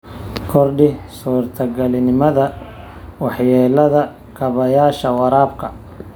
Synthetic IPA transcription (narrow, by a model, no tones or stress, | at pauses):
kʰɔrɖɪsuːrt̪ʰɐɡɐlɪnɪmɐðɐ | wɑħjɛːlɐðɐ | kʰɐβɐjaːʃɐwɑɾaːbkʰɐ